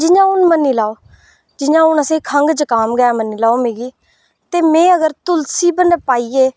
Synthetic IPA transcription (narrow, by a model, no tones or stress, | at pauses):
d͡ʒɪjãːʊnmənːiːlaːoː | d͡ʒɪɲãːʊnəsĩːkʰəŋɡd͡ʒəkaːmɡəaːməniːlaːoːmeːɡiː | t̪eːmɛ̃ːəɡəɾt̪ʊlsiːbənɖpaːiːeː